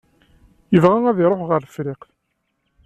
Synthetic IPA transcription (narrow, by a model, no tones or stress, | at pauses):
jəvʁææðɪɾˤoχʁəɾfɾɪq